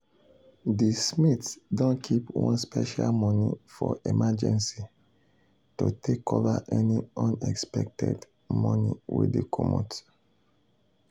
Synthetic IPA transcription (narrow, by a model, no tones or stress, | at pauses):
dismitsdõnkʰipwɔ̃nspɛʃalmɔnifɔʔemad͡ʒɛ̃nsi | tutʰekʰovaʔɛniɔ̃nɛkspɛk̚tɛd | mɔ̃niwḭdekʰɔmot